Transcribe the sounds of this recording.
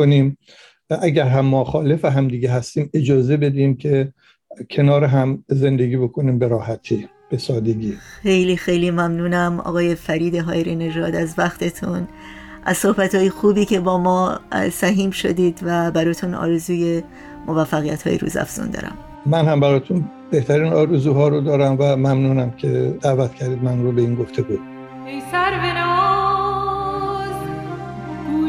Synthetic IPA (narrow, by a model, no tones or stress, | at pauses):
oniːm | æɟæɾɦæmːɒːxɒːlefæɦæmd̪iːɡeɦæst̪iːmed͡ʒɒːzebe̞d̪iːmkʰe | cʰe̞nɒːɾeɦæmze̞nd̪eɡiːbokʰo̞niːmbeɾɒːhæt̪ʰi | b̥esɒːd̪eɡiːxejliːxejliːmæmnuːnæmɒ̰ːɣɒːje̞fæɾiːd̪e̞ɦɒːeɾine̞ʒɒːd̪æzvæxt̪ʰe̞t̪ʰun | ʔæ̰zso̞hbæt̪ʰɒːjexuːbiːcʰe̞bɒːmɒːsæɦiːmʃo̞̰d̪iːd̪væbæɾɒːt̪ʰunɒ̰ːɾe̞zuːje̞ | mʔovæfːæɣijæt̪hɒ̰ːjeɾṵːzæ̰fz̥ṵnd̪ɒ̰ːɾæ̰m | mænhæmbæɾɒːt̪ʰun | beht̪ʰæɾiːnɒːɾezuːɦɒːɾod̪ɒːɾæmvæmæmnuːnæmcʰed̪æːvæt̪cʰæɾd̪iːd̪mænɾobeiːnɡoft̪ʰeɡu | ejsæɾbenɔ | z